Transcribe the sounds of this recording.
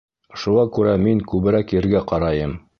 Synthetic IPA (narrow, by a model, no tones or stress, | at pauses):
ʃuʁɑkʉɾæmiŋkʉβɘ̆ɾækjɘ̆ɾɡæqɑɾɑjɤm